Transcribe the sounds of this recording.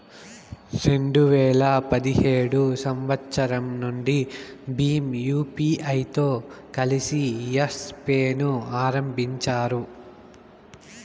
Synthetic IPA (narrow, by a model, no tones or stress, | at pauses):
ɾe̞ɳɖuʋɛːɭɐpɐd̪ihe̞ːɽusɐmʋɐtːʃɐɾɐmnuɳɖi | biːmjuːpiːʔɐjt̪o̞ːkɐlisijɐspeːnuaːɾɐmbʱiɲt͡ʃaːɾu